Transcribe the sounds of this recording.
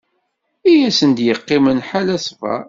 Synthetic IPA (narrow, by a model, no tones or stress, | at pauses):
ijæsənd̪jəqːɪmənħalæsfæ̰